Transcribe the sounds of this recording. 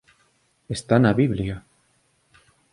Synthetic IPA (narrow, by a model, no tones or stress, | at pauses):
est̪anaβiβlja